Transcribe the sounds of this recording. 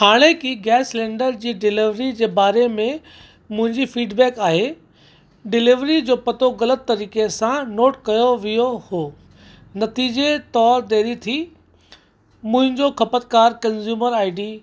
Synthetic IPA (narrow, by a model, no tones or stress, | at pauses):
haːɽ̃ekiɡɛːslẽːɳɖəɾd͡ʑiːɖɪlɪʋɾid͡ʑeːbaːɾemẽ | mʊ̃ɦɪ̃ɲd͡ʑifiːɖbɛːkaːɦe | ɖɪlɪʋɾid͡ʑoːpɐt̪oɣɐlət̪ːɐɾiːkesãnoːʈkɐjoʋijohoː | nɐt̪iːd͡ʑet̪ɔːɾd̪eːɾit̪ʰi | mʊ̃ɦɪ̃ɲd͡ʑoxɐpət̪̚kaːɾkɐ̃nzjuːməɾaːɪɖiː